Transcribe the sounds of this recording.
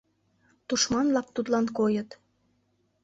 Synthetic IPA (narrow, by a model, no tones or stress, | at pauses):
t̪uʃmɑnlɑk̚t̪ut̪lɑnkojət̪